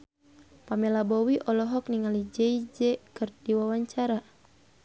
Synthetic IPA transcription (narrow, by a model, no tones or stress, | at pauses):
pamɛlabɔwiʔɔlɔɦɔk̚niŋalid͡ʒɛid͡ʒɛkɨrdiwawaɲt͡ʃaɾa